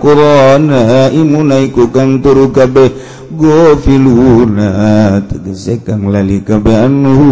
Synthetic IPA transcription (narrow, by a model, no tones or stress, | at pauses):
kuɾɔnaimunaikukaŋt̪uɾukabɛ | ɡofilunat̪əɡəsekaŋlalikabeanːuɦ